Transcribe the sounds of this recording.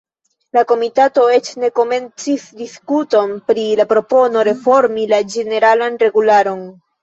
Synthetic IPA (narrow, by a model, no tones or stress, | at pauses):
lako̞mitato̞e̞t͡ʃne̞ko̞me̞nt͡sisdiskuto̞npɾilapɾo̞po̞no̞ɾe̞fo̞ɾmilad͡ʒe̞ne̞ɾalanre̞ɡulaɾo̞n